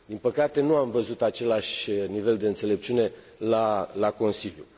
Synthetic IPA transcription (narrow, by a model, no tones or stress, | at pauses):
d̪inpəkat̪e̞nuamvəzut̪at͡ʃe̞laʃʲnive̞ld̪e̞ɨnt̪se̞le̞p̚t͡ʃune̞ | lalako̞nsiljṵ